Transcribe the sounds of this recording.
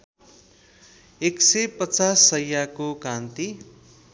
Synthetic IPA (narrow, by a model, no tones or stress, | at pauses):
eksepʌt͡sasːʌjakokãnt̪i